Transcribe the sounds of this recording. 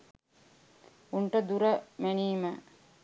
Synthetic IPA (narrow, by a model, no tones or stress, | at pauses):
uɳʈəd̪uɾəmæniːmə